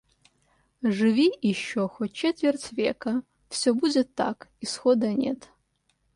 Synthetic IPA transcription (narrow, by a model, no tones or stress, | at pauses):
ʐɨvʲijɪʃːoxot̚ʲt͡ʃet̪vʲert͡sʲvʲḛkɐ | fsʲobud͡zʲɛt̪ʰːa̰kisxod̪ɐnʲḛt̪ʰ